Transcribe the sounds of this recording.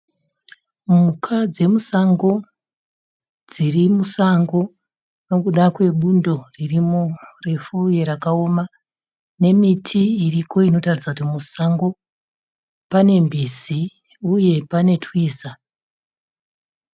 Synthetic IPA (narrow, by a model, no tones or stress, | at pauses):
mukʰad͡ze̞musaŋɡo̞ | d͡zirimusaŋɡo̞ | no̞kuɗakwe̞ɓundo̞ririmure̞fuje̞ɾakao̞ma | ne̞mitʰiːriko̞ino̞tarid͡zakutimusaŋɡo̞ | pane̞mbizi | uje̞pane̞tʰwiːza